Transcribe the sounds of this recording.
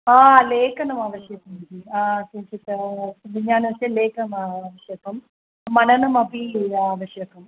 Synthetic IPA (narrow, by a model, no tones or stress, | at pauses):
aːleːkɐnɐmɐʋɐʃjɐkɐmib̪iaːsut͡ʃit̪ɐʋiɲaːnɐʋɐseleːkɐmɐʋɐʃjɐkɐm | mɐnɐnɐmɐbiːʋɐʂjɐkɐm